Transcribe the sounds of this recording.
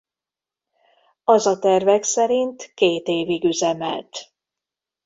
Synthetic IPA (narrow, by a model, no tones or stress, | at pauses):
ɒzɒt̪ɛrvɛksɛɾint̪keːt̪eːviɡyzɛmɛ̰lt̪